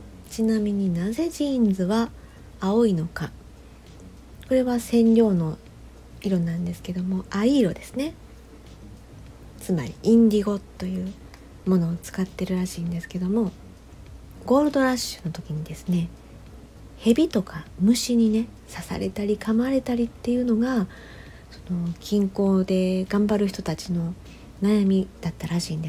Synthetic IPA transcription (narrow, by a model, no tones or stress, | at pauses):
t͡ɕinamʲiɲ̟inaze̞ʑind͡zɨβaː | oino̞ka | ko̞ɾe̞βasẽ̞nɾʲo̞ːno̞ | iɾo̞nãnd̪e̞sɨ̥ke̞d̪o̞mo̞aiːɾo̞d̪e̞sɨne̞ | t͡sɨma̰ɾʲiĩnɡʲiɡo̞t̪ːo̞jɯ̟ː | mo̞no̞ːt͡sɨ̥kat̪ːe̞ɾɯ̟ɾaɕiːnd̪e̞sɨ̥ke̞d̪o̞mo̞ | ɡo̞ːɾɯ̟d̪o̞ɾaɕɨ̥not̪o̞kʲiɲ̟id̪e̞sɨ̥ne̞ | he̞bʲit̪o̞kʰamɯ̟ɕiɲ̟ine̞ | sasa̰ɾe̞̰t̪aɾʲikʰamaɾe̞t̪aɾʲit̪ːe̞jɯ̟ːno̞ɡa | so̞no̞kʲʰĩŋko̞ːd̪e̞ɡ̥ãmbaɾɯ̟çʲi̥t̪ot̪at͡ɕino̞ | najamʲid̪̥at̪ːaɾaɕiːnd̪e